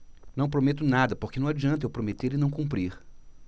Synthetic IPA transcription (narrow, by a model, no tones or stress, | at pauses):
nɐ̃w̃pɾomet̪ʊnad̪ɐpoɾkɪnɐ̃w̃ad͡ʒiɐ̃nt̪̬ewpɾomet̪eɾɪnɐ̃w̃kũmpɾiɾ